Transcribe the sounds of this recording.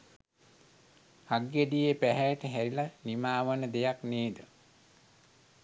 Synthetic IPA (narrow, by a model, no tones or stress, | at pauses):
haɡjeɖijepæɦɛjʈəɦæɾilanimaːʋənəd̪ejakneːd̪ə